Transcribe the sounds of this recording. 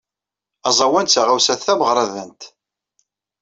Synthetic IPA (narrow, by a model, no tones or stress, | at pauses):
ɑzˤɑwænt͡sːæʁawsæθθæməʁɾˤɑðənt̪